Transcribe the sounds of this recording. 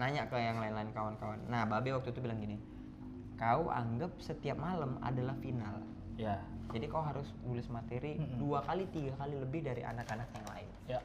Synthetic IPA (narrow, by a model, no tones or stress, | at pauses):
naɲaʔkajaŋlaɪnlaɪnkawankawanːahbabɛwak̚t̪ut̪ubilaŋɡini | kauʔa̰ŋɡap̚sət̪iap̚maləma̰dalahfinal | jad͡ʒadikauɦaɾʊsbulɪsmat̪eɾiduakalit̪iɡakaliləbɪhdaɾiʔa̰nakanak̚jaŋla̰ɪ̰n